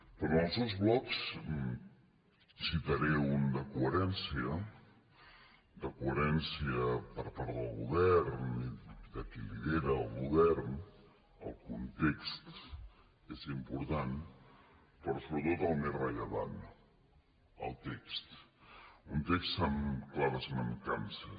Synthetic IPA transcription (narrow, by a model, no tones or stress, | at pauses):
pɾɔəlˠsewzβlɔks | sit̪əɾɛund̪əkuəɾɛnsiə | d̪əkuəɾɛnsiəpəɾpaɾðəlˠɣṵβɛɾnid̪əkiliβeɾəːlˠɣuβɛɾn | ə̰lˠkunt̪ekst̪ | ezimpuɾt̪an | pɾɔsoβɾət̪ot̪əlˠmesrəʎəβa̰n | ə̰lˠt̪ekst̪ | unt̪ekst̪əmklaβəzməŋkansə